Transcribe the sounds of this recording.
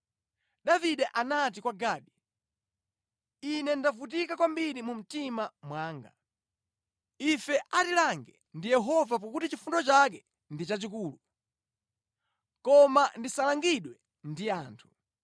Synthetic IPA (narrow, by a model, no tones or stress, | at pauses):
ɗaviɗɛʔanat̬ikwaɡaːɗi | inɛndavut̬ikakwambiɾimum̩timamwaːŋɡa | ifɛʔatilaŋɡɛ | ndijɛɦɔvap̬akutit͡ʃifundɔt͡ʃak̬ɛ | ndit͡ʃat͡ʃikuːlu | kɔmandisalaŋɡiɗwɛ | ndiaːntʰu̥